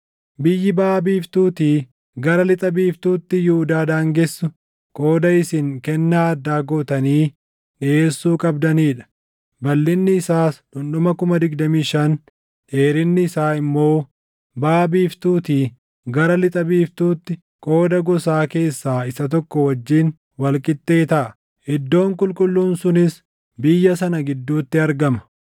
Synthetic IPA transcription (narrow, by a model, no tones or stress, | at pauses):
bɪjːɪbaːbiːft̪uːt̪iː | ɡɐɾɐlɪt̪ʼɐbiːft̪uːt̪ːɪjʊhʊd̪aːd̪aːŋɡɛsːʊ | kʼo̞ːd̪ɐɪsɪŋkɛnːaɐd̪ːaːɡoːt̪ɐniː | ᶑɪeːsːuːkʼɐbd̪ɐniːᶑɐ̥ | bɐlːɪnːɪːsaːsᶑʊnɗʊmɐkʊmɐd̪ɪɡd̪ɐmiːʃɐn | ᶑe̞ːɾɪnːɪːsaːɪmːo̞ː | baːbiːft̪uːt̪iː | ɡɐɾɐlɪt̪ʼɐbiːft̪uːt̪ːɪ | kʼo̞ːd̪ɐɡɔsaːke̞ːsːaːɪsɐt̪̬ɔkːɔwɐd͡ʒːiːn | wɐlkʼɪt̪ːe̞ːt̪ɐʔɐ | ʔɪd̪ːo̞ːŋkʼʊlkʼʊlːuːnsʊnɪs | bɪjːɐsɐnɐɡɪd̪ːuːt̪ːɪɐɾɡɐmɐ̥